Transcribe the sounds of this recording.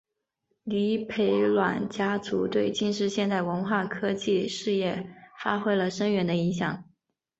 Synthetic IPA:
li˧˥pʰe˧˥ɪlwa˨˩nt͡ɕja˥t͡su˧˥t̪we˥˧ɪt͡ɕi˥˧nʂɻ̩˥˧ɕjɛ˥˧nt̪a˥˩ɪwə˧˥nxwa˥˩kʰɤ˥t͡ɕi˥˧ʂɻ̩˥˧jɛ˥˩fa˥xwe˥ɪlə˨ʂə˥nɥɛ˧˥nd̪ə˧i˧˥ŋɕ̬jɑ˨˩˦ŋ

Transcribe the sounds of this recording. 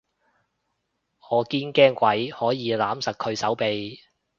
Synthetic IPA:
ŋɔː˨˧kiː˥nkɛː˥ŋkʷɐ˨˥jhɔː˨˥jiː˨˧laː˨˥msɐ˨k̚kʰɵ˨˧ɥsɐ˨˥wpe˨j

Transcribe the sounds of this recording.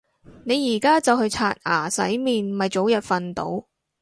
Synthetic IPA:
ne˨˧jːiː˨˩kaː˥t͡sɐ˨whɵ˧ɥt͡sʰaː˧t̚aː˨˩sɐ̰˨˥jmiː˨nmɐ˨jt͡so˨˥wjɐ˨t̚fɐ˨nt̪o̰˨˧˥w

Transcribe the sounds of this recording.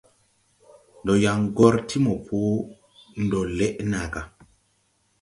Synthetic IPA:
n˨dɔ˨ja˨ŋɡɔ˦ɾtʰi˦mɔ˨pʰu˦ | n̩˨dɔ˨lɛ˦ʔna˨ɡa˨

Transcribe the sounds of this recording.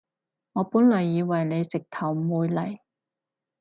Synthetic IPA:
ŋɔː˨˧puː˨˥nlɐ˨˩jːiː˨˧wɐ˨˩jne˨˧jt͡sɪ˨k̚t̪ʰɐ˨˩wmuː˨˧jlɐ˨˩j

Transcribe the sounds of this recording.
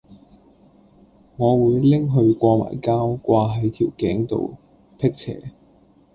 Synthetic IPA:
ŋɔː˨˧wuː˨˧jlɪ˥ŋɦɵ˧ɥkʷɔː˧ma̰ː˨˩jkaː˥wkʷaː˧ɦɐ˨˥jt̪ʰiː˨˩wkɛː˨˥ŋt̪o̰˨˧w | pʰɪ˥k̚t͡sʰɛ̰ː˨˩

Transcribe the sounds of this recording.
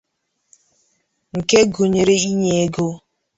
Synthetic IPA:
ŋ̩˨ke˦ɡo˨ɲe˨ɾe˦i˦ɲe˦e˦ɡo˦

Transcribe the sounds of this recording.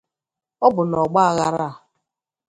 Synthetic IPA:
ɔ˦bʊ˨nɔ˨ɡ͡ba˦˨ɣa˦ɾa˦a˨

